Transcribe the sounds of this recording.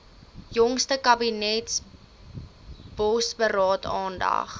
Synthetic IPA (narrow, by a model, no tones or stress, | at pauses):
jɔŋstəkɐbinɛts | b̥ɔsbəɾɑːtɑːndɐ̰χ